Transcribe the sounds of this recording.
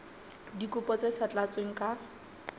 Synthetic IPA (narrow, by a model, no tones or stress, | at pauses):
dikʼʊpʼɔt͡sesat͡ɬʼat͡sweŋ̩kʼa